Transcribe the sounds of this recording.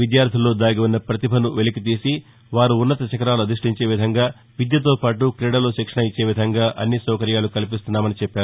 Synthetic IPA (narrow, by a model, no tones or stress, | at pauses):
ʋid̪jaːɾd̪ʱilo̞ːd̪aːɡiunːɐpɾɐt̪ibʱɐnuʋelik̬it̪̬iːsi | ʋaːɾuːnːɐt̪ɐt͡ʃɐkɐɾaːluɐd̪ɾiʂʈiɲt͡ʃe̞ːʋid̪ʱɐŋɡaː | ʋid̪jɐt̪̬o̞ːpaːʈukɾeːɽɐloːʃikʂɐɳɐjit͡ʃːe̞ːʋid̪ʱɐŋɡaːʔɐnːisɐːkɐɾjaːlukɐlip̬ist̪unːaːmɐnit͡ʃɛpːaːɾu